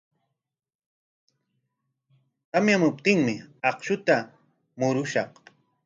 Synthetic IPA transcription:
t̪amjamʊp̚t̪ɪŋmɪɑqʃʊt̪a | mʊɾʊʃɑq

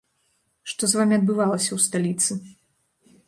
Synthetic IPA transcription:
ʂt̪ɔzvamʲiɐd̪̚bɨvalˠɐsʲɐwst̪alʲit̪sɨ

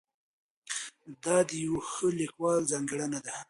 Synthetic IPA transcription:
d̪ɑd̪əjawxəlikwɑlzɑŋɡɽanad̪a

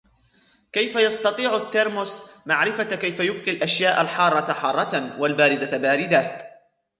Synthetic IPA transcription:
kajfajɑst̪ɑt̪ˤiːʕʊt̪ːɪɾmʊsmaʕɾɪfakajfajʊb̚qilʔaʃjaːʔalħɑːrˤːɑtħɑːrˤːɑt̪awalbaːɾɪd̪abaːɾɪd̪a

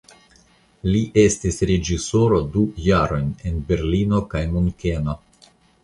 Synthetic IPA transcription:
liʔe̞stisɾe̞d͡ʒiso̞ɾo̞dujaɾo̞jne̞nbe̞ɾlino̞kajmuŋke̞no

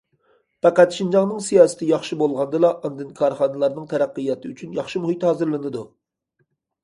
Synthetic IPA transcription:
pɑqæt̪ʃind͡ʒɑŋnɨŋsijɑːsɨ̥t̪ʰɪjɑχʃɨbolˠʁɑnd̪ɨlˠɑʔɑnd̪ɨnkʰɑɾχɑnɨlˠɑɾnɨŋt̪ʰɛɾæqːɨjɑt̪ʰɨyt͡ʃʰynjɑχʃɨmuhit̪hɑːzɨɾlˠɨnɨd̪u

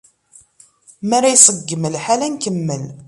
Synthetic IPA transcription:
mæɾajsˤəɡːməlħalænkəmːəl

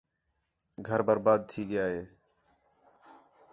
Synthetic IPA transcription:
ɡʱəɾbəɾbaːd̪̚t̪ʰiːɡɪjaːɦeː

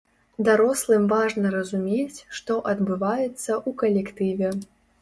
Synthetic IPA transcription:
d̪aɾɔslˠɨmvaʐnɐɾɐzumʲet͡sʲʂt̪ɔʔɐd̪bɨvajɛt̪sːɐʔukɐlʲɛkt̪ɨvʲɛ

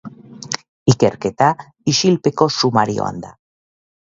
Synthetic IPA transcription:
ike̞ɾket̪a | iʃilpe̞ko̞sumaɾio̰a̰nd̪a

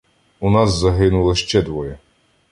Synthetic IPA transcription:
unɑszɐɦɪnʊlˠɐʃt͡ʃɛd̪ʋɔjɛ

